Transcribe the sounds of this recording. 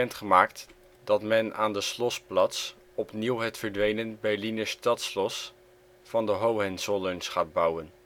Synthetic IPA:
ɛntχəmaːkt | dɑtmɛna̰ːndəslɔsplɑts | ɔpniwɦɛtfəɹdʋejnənbɛɹlinəstɑtslɔs | fɑndəɦowɦɛnsolənsχaːd̚bʌwən

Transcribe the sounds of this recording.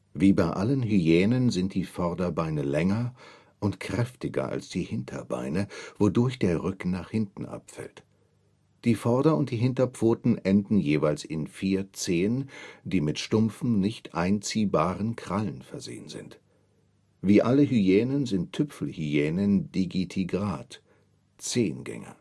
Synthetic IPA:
viːbaɪʔalənɦyjɛːnənzɪnt̚d̥iːfɔɐdɐbaɪnəlɛŋɐ | ʔʊntkʁ̥ɛftɪɡɐ̰ʔa̰lsd̥iːhɪntʰɐ̰ba̰ɪnəv̥odʊɐçd̥eːɐʁʏkn̩naːχhɪntn̩ʔa̰pfɛ̰lt | d̥iːfɔɐdɐʊnt̚d̥iːɦɪntɐpp͡foːtn̩ʔɛndn̩jeːvaɪlsɪnfiːɐt͡seːənd̥iːmɪtʃtʊmfm̩nɪçtʔaɪnt͡siːbaːʁənkʁ̥alənfɛɐzḛːənzɪ̰nt | viːʔaləɦyjɛːnənzɪntʰːʏpfl̩hyjɛːnənd̥iɡitʰiɡʁaːt | t͡seːnɡɛ̰ŋɐ̰

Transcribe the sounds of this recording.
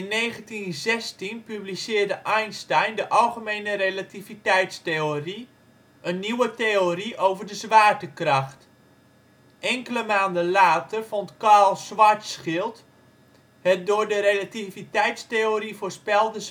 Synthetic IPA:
ɪnːeːɣəntinzɛstinpyblisɪːrdəʔɛjnstɛjndəʔɑlˠχəmejnərelativitɛjtsteori | ʔənːiwəteoriʔowvərdəzʋaːrtəkrɑχt | ʔɛŋkələmaːndəlaːtərvontkalˠsʋaɹtsχɪlˠt | hɛt̚dʊːɹdəɾelativitɛjtsteoɾivoːɹspɛlˠdəz

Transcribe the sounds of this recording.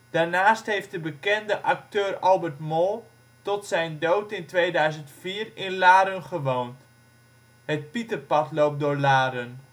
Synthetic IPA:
d̥aːrnaːstɦejft̚dəbəkɛndəʔak̚tøːrɑlˠbərtmɔlˠ | tɔtsɛjndowtɪntʋejdœɥzəntfiːrɪnlaːɾənχəʋownt | ɦət̚pitərpɑtlowp̚doːɹlaːɾən

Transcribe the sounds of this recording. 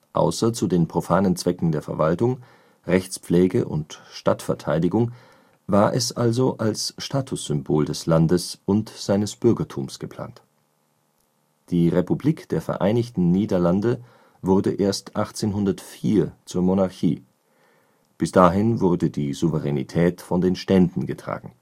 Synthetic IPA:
ʔa̰ʊsɐt͡sudeːnpʁ̥ofaːnənt͡sv̥ɛkŋ̩deːɐfɛɐvaltʊŋ | ʁɛçt͡spp͡flɛːɡəʔʊ̰ntʃta̰tfɛɐtʰa̰ɪdɪɡʊŋ | vaːɐʔɛ̰sʔalzoʔalsʃtʰaːtʰʊsz̥ʏmboːldɛslandəsʊntz̥aɪnəsb̥ʏɐɡɐtʰuːmsɡ̥əpʰl̥a̰ːnt | d̥iːʁepubliːkd̥eːɐfɛ̰ɐʔaɪnɪçtn̩niːdɐlandə | vʊɐdəʔeːɐstʔaχt͡seːnɦʊndɐtfiːɐt͡suːɐmonaɐçiː | b̥ɪsd̥aːɦɪnvʊɐdədiːzuvəʁɛnḭtʰɛːtfɔndeːnʃtɛndn̩ɡətʁ̥a̰ːɡŋ̩

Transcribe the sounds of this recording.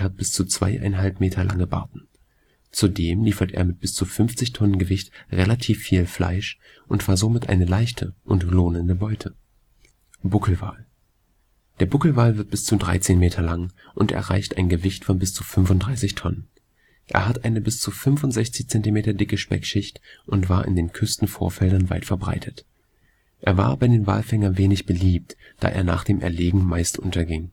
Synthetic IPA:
hat̚b̥ɪst͡sut͡sv̥a̰ɪʔa̰ɪnɦalpmeːtʰɐlʔa̰ŋəba̰ɐtn̩ | t͡sudeːmliːfɐtʔḛːɐmɪt̚b̥ɪst͡sufʏnft͡sɪçtʰɔnənɡəvɪçtʁelatʰiːfːiːlfla̰ɪʃ | ʔʊntv̥aːɐzomɪtʔa̰ɪnəlaɪçtʰəʔʊntloːnəndəbɔʏtʰə | b̥ʊkʰl̩va̰ːl | d̥eːɐb̥ʊkl̩vaːlvɪɐt̚b̥ɪst͡sudʁa̰ɪt͡seːnmeːtʰɐlaŋ | ʔʊntʔɛ̰ɐʁa̰ɪçtʔaɪnɡəvɪçtfɔnbɪst͡sufʏnfʊnt̚d̥ʁaɪsɪçtʰɔnən | ʔḛːɐɦatʔaɪnəbɪst͡sufʏnvʊntz̥ɛçt͡sɪçt͡sɛntimeːtɐdɪkəʃpɛ̰kʃɪçtʔʊntv̥aːɐʔɪ̰ndeːnkʰʏstn̩foːɐfɛldɐnva̰ɪtfɛɐbʁa̰ɪtʰət | ʔḛːɐva̰ːɐbaɪdeːnva̰ːlfɛŋɐnveːnɪçb̥əliːp̚td̥a̰ːʔḛːɐna̰ːχd̥eːmʔɛ̰ɐleːɡŋ̩maɪstʔʊntʰɐɡɪŋ

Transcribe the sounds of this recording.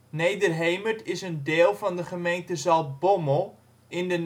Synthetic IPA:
nejdərɦejmətʰɪsəndeːlˠvɑndəχəmejntəzɑlˠtboməlˠ | ɪndən

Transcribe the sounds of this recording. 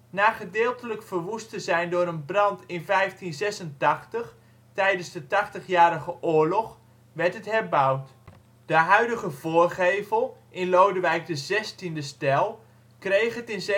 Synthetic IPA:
naːχədɪːlˠtələkfəɹʋustəzɛjndʊːɾənbrɑntɪnvɛjftinzɛsəntɑχtəχ | tɛjdənzdətɑχtəχjaːɾəχəʔʊːɹlɔχ | ʋɛɹtɦətɦɛɹbʌwt | d̥əɦœɥdəχəvoːɹχejvəlˠʔɪnlowdəʋɛjk̚dəzɛstindəstɛlˠ | krejχɦətɪnz

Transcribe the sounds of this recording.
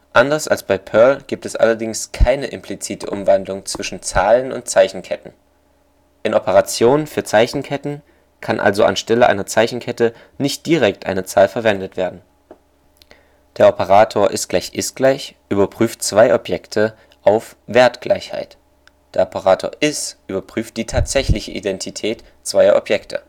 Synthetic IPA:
ʔandɐsa̰lsb̥aɪpʰœɐlɡ̥iːp̚tɛsʔa̰lɐdɪŋskʰaɪnəʔɪmpʰlit͡siːtʰəʔʊ̰mvandlʊŋt͡sv̥ɪʃn̩t͡saːlənʊ̰nt̚t͡saɪçn̩kʰɛtn̩ | ʔɪnɔpəʁat͡sjoːnənfyːɐt͡saɪçn̩kʰɛtn̩ | kʰanʔa̰lzoʔa̰nʃtɛləʔa̰ɪnɐt͡saɪçn̩kʰɛtə | nɪçt̚d̥iːʁɛk̚tʔa̰ɪnət͡saːlfɛɐvɛndətv̥eːɐdn̩ | d̥eːɐʔɔpəʁaːtʰoːɐʔɪstɡ̥laɪçʔɪsɡ̥laɪçʔyːbɐpʁ̥yːft̚t͡sv̥aɪʔɔpjɛktʰə | ʔaʊf | v̥eːɐtɡ̥lʔa̰ɪçha̰ɪt | d̥eːɐɔpəʁaːtʰo̰ːɐʔɪsʔyːbɐpʁ̥yːft̚d̥iːtʰaːtz̥ɛçlɪçəʔḭdɛntʰitʰɛːt | t͡sv̥aɪɐʔɔ̰pjɛktʰə̰

